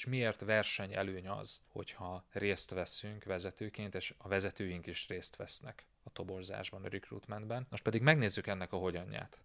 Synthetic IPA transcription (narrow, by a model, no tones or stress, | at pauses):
ʃmieːrt̪ʋɛrʃɛɲɛ̰løːɲɒ̰z̥ho̞̰chɒreːst̪ʋɛsyŋkʋɛzɛt̪øːkeːnt̪eːʃɒvɛzɛt̪øːjiŋkiʃreːst̪ʋɛsnɛk | ɒt̪o̞bo̞rza̰ːʒbɒnɒrikrṵːt̪mɛnd̪bɛnmoʃt̪pɛd̪iɡmɛɡneːzːykɛnːɛkɒɦo̞ɟɒɲːa̰ːt̪